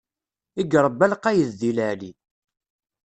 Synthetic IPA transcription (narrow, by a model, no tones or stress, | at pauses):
iɡɾˤəbːælqæjəððiləʕli